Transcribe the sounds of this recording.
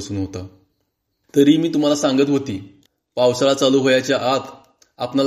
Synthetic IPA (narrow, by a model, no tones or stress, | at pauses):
əsuːnɦot̪a | t̪əɾiːmiːt̪um̤alasãŋɡət̪ɦot̪iː | pawsalat͡saluːɦojat͡ɕjaʔat̪ʰ | apnal